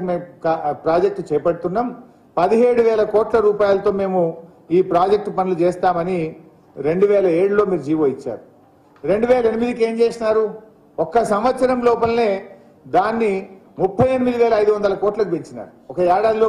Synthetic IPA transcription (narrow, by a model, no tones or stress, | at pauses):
meːmkapɾaːd͡ʒek̚ʈt͡ʃɛːpɐɽut̪unːaːm | pɐd̪iɦeːɽuʋɛːlɐkɔːʈlɐɾuːpaːjalɐt̪o̞ːme̞ːmu | iːpɾaːd͡ʒek̚ʈpɐnilut͡ʃɛːst̪aːmɐni | ɾe̞ɳɖuʋɛːlɐeːɽulo̞ːmiːɾud͡ʒiːʋo̞ːit͡ʃːa̰ːɾu | ɾe̞ɳɖuʋɛːlɐenimid̪ike̞ːmt͡ʃeːsinaːɾu | ɔkːɐsɐmʋɐt̪sɐɾɐmlɔːpɐlɐneː | d̪aːnːi | mupʰːɐjenimid̪iʋɛːlɐɐjd̪uʋɐnd̪ɐlɐkɔːʈlɐkupeɲt͡ʃina̰ːɾuɔkɐjaːɽaːd̪lo